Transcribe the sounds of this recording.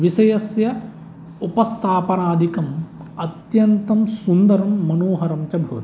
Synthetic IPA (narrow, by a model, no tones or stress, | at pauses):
ʋisɐjɐsjɐ | upɐst̪ʰaːpɐnaːd̪ʱikɐm | ɐt̪jɐnt̪ɐmsund̪ɐɾɐmːɐnoːɦɐɾɐmt͡ʃɐbʱɐʋɐt̪